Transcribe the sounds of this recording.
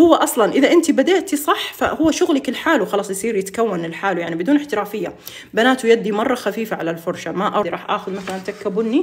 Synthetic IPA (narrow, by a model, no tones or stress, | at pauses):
hʊwːaʔɑsˤlɑnʔɪðaʔɪnt̪ibad̪eːʔt̪isˤɑħfa̰hʊwːaʃʊɣlakɪlħaːluxɑlɑːsˤjɪsˤiːɾjɪt̪kawːanɪlħaːlujaʕnibɪd̪uːnɪħt̪ɪɾaːfɪjːa | banaːt̪ujad̪ːimɑrˤːɑxafiːfaʕalalfʊɾˤʃamaʔaɾˤɑːħʔaːxʊd̪maθalant̪akːabʊnːi